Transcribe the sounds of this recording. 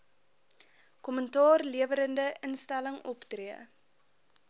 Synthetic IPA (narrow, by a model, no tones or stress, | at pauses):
kɔməntɑːrliəvəɾəndəʔənstæləŋʔɔptriə